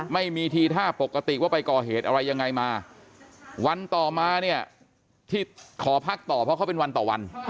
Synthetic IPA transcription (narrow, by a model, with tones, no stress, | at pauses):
ma˥˩jmiː˧t̪ʰiː˧t̪ʰaː˥˩po˨˩kːa˧t̪i˨˩waː˥˩pa˧jkɔː˨˩ɦeː˨˩t̪̚ʔa˧ɾa˧jːa˧ŋːa˧jmaː˧ | wa˧nt̪ɔː˨˩maː˧ni˥˩ɐə | t̪ʰiː˥˩kʰɔː˩˦pʰa˦˥˩k̚t̪ɔː˨˩pʰɔ˦˥kʰa˥˩pe˧nwa˧nt̪ɔː˨˩wa̰˧n